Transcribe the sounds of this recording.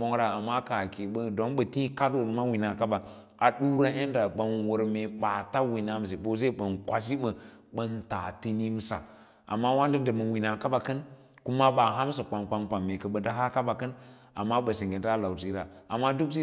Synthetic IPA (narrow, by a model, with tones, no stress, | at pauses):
o˦ŋɾa˨a˨mːa˦ka˨a˨ke˨ɓə˦do˦nɓə˨ti˦ka˦do˨lma˦wi˨na˨ka˦ɓa˨ | a˨ɗu˦ɾa˦ʔe˦n˦da˨ɓə˨nwu˨ɾme˨ɓa˨ta˦wi˨na˦m˨s̬e˨ɓo˦s̬e˦ɓə˨nkʷa˨s̬i˦ɓə˨ | ɓə˦nta˨ti˦ni˦m˦sa̰˨ | ʔa̰˨mːa˦wa˦ndə˦də˨mə˨wi˨na˨ka˦ɓa˨kə˦n | ku˦ma˦ɓa˨ɦa˦m˦sa˨k͡pa˨nkʷa˦nkʷa˨mːe˨kə˨ɓə˨da˦ɦa˦ka˦ɓa˨kə˦n | a̰˨mːa˦ɓə˨si˨ɡe˨nta˦la˨wti˦ɾa˨a˨mːa˦du˦ksi˦